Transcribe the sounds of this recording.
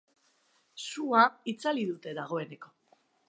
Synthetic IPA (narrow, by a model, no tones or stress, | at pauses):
suait͡saliðut̪e̞ðaɣ̞o̞e̞ne̞ko̞